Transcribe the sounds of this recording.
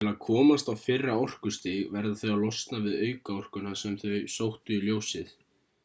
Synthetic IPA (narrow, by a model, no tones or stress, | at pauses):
ɪlaðkʰɔːmast̪awfɪrːaɔr̥kʏst̪iɣvɛɾðaθœɥalɔst̪navɪðœːɥkaɔr̥kʏnasɛmθœɥsowht̪ʏiljoːwsɪθ